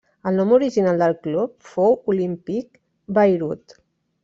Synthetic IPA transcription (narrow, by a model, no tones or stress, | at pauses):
əlˠnɔmuɾiʒinalˠd̪əlˠklup̚fowulimpik | bəjɾut̪